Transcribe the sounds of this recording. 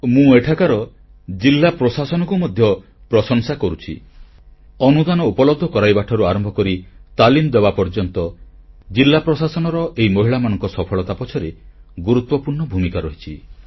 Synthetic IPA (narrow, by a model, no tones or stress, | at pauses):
mũeʈʰakaɾɔ | d͡ʒilːapɾɔsasɔnɔkumɔd̪ʱjɔ | pɾɔsɔŋsakɔɾut͡ʃʰḭ | ɔnud̪anɔupɔlɔbd̪ʱɔkɔɾajbaʈʰɔɾuaɾɔmbʱɔkɔɾit̪alimd̪ebapɔɾd͡ʒɔnt̪ɔd͡ʒilːapɾɔsasɔnɔɾɔʔeimɔɦiɭamanɔŋkɔsɔpʰɔɭɔt̪apɔt͡ʃʰɔɾeɡuɾut̪wɔpuɾɳɔbʱumikaɾɔɦit͡ʃʰi